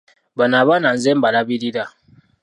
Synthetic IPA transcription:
banabanan̩zɛmbalabidida

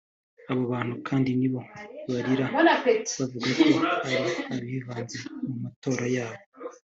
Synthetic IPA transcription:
aβoβaːn̥hukʰaːndiniβo̞βaɾiɾaβavuɡakʰohaβiaβiːvaːnzemumato̞ːɾajaːβo

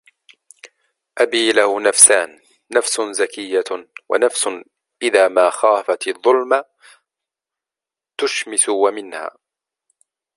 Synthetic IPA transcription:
ʔabiːlahʊnafsaːnː | afsʊzakɪjːawa̰nafsʊ | ʔɪðaːmaːxaːfat̪ɑðˤːʊlma | t̪ʊʃmɪsʊwamɪnha̰ː

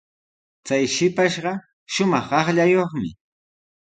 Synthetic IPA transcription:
t͡sajʃɪpaʃɢɑ | ʃʊmɑχɑχʎajoχmɪ̰

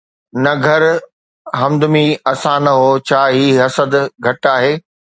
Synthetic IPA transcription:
nɐɡʱɐɾ | ɦɐ̃md̪ʊmiɐsãnɐɦoːt͡ɕʰaːɦiːɦɐsəd̪ɡʱɐʈaːɦeː

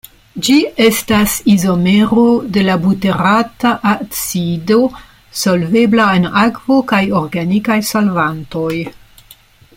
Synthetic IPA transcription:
d͡ʒie̞stasizomeɾode̞labute̞ɾataʔat͡sido̞ | solve̞blaenakvo̞kajoɾɡanikajsolvanto̞j

